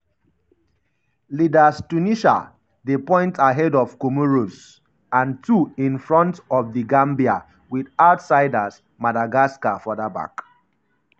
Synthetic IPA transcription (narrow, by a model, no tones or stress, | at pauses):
lidastuniʃa̰ | ðepɔ̃ɪ̃ntʰaɦɛdɔv̥komoɹos | ãntuĩnfɹɔ̃ntɔvðiɡãmbia | wiðaʊtsaɪdas | madaɡaskafɔðaba̰k